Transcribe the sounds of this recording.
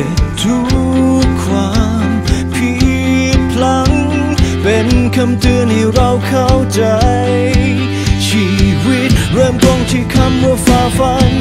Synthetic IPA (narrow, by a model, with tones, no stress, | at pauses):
e˨˧˩t̪ʰu˦˥kʰːwaː˧˦ | mpʰi˧pʰla˧˥ŋ | pe˨˧nkʰa˧mt̪ɯː˧˥nhi˧˩ɾa˧wkʰa˧˩wt͡ɕa˨˧˦j | t͡ɕʰi˧˩wi˦˥t̪̚ɾɤː˧mkɔ˧ŋt̪ʰiː˧˩kʰa˧˥mmɯː˧˩əfaː˧˩fa˧˥n